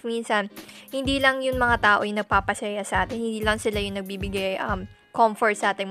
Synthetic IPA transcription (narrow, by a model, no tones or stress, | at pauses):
minsɐnhɪnd̪iːlɐŋjʊŋmɐŋat̪aːʔojʊŋnɐɡ̚paːpɐsɛjasɐʔaːt̪ɪnhɪnd̪iːlɐŋsɪlajʊŋnɐɡ̚biːbɪɡajʔɐm | komfoɹt̪̚sɐʔaːt̪ɪŋm